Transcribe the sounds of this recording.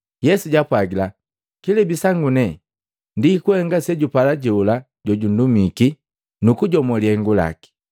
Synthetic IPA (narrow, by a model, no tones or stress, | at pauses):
jɛsuɟapwaɡila | kilɛbisaŋɡunɛ | ndikuhɛŋɡasɛɟupalaɟɛula | ɟɔɟun̩dumiki | nukuɟɔmɔliɛŋɡula̰ki̥